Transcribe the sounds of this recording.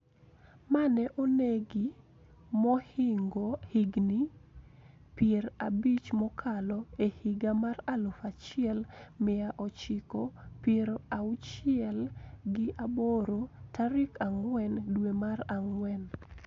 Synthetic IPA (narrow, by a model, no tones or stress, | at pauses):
manɛʔoneɡi | mɔhɪŋɡohiɡni | pjeɾabit͡ʃmɔkʰalɔehɪɡamaralofat͡ʃɪɛlmɪaʔɔt͡ʃɪkopjeɾaʊt͡ʃɪɛlɡɪʔaboɾotaɾɪkaŋwɛndwemaraŋwɛn